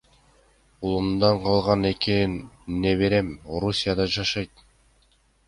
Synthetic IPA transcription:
ulˠumd̪ɑɴqʰɑlˠʁɑne̞kenneβe̞ɾe̞mo̞ɾusʲijad̪ɑd͡ʒɑʃɑjt̪̚

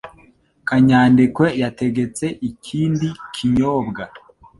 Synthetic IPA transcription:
kaɲaːndekwe̞jate̞ɡe̞t͡se̞ʔicʰiːndikʰiɲo̞ːbɡa

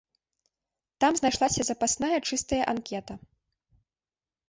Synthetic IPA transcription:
t̪amznajʂlˠasʲɐzɐpasnajɐt͡ʂɨst̪ɐjɐʔankʲɛt̪ɐ

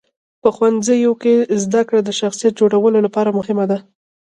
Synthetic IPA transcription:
pəxwanzəjokezd̪akɽad̪əʃaxsijat̪̚d͡ʒoɽawəlolapɑɾamʊhɪmad̪a

